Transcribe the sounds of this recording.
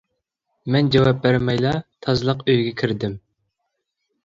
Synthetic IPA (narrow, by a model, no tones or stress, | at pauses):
mɛnd͡ʒɑwɑp̚bæɾmɛjlˠɑt̪ʰɑzlˠəqøjɡʲɛkʲʰiɾd̪ɪm